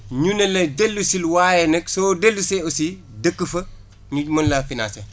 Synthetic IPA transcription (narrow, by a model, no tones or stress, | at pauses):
ɲunɐlɐdelːusilwajɛnɐksɔdelːusɛosi | dəkːəfɐ | ɲuɟmɐnlɐfina̰ːse